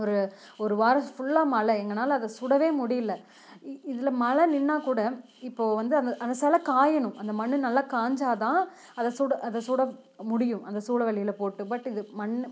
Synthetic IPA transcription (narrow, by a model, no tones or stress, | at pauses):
ɔɾɯ | ɔɾɯʋaːɾɐsfʊɭːaːmɐlɐɛŋɡɐnaːlɐɐðɐsʊɽɐʋeːmʊɽɪjɪlːɐ | ɪðɪlɐmɐlɐnɪnːaːkuːɽɐ | ɪpːoːʋɐnd̪ɯɐnd̪ʔɐnd̪ɐsɛlɐkaːjɐnɯ̃mʔɐnd̪ɐmɐɳːɯnɐlːaːkaːɲd͡ʒaːt̪ãː | ɐðɐsuːɽɐʔɐðɐsuːɽɐ | mʊɽɪjɯ̃mʔɐnd̪ɐsuːlɐʋɐɭːɪjɪlɐpoːʈːɯpɐʈːɪðɯmɐɳː